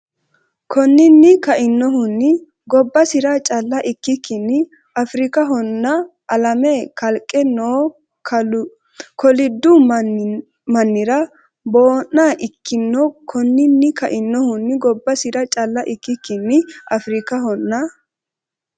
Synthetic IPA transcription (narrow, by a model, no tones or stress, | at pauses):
kʰɔnːɪnːɪkɐʔɪnːɔɦʊnːɪ | ɡɔbːɐsɪɾɐt͡ʃʼɐlːɐʔɪkːɪkːɪnːɪ | ɐfɾɪkɐɦɔnːɐ | ʔɐlɐmɛkɐlkʼːɛnoː | kʰɔlɪd̪ːʊ | mɐnːɪɾɐ | bo̞ːnːaːʔɪkːɪnːɔkʰɔnːɪnːɪkɐʔɪnːɔhʊnːɪɡɔbːɐsɪɾɐt͡ʃʼɐlːɐʔɪkːɪkːɪnːɪʔɐfɾɪkɐɦɔnːɐ